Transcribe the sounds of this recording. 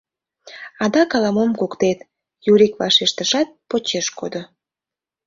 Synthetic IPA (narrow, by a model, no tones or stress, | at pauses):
ɑd̪ɑkɑlɑmomkokt̪et̪ | juɾikvɑʃeʃt̪əʃɑt̪̚pot͡ɕeʃkod̪o